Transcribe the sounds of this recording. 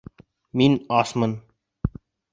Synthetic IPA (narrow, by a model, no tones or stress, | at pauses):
minɑsmɤ̆n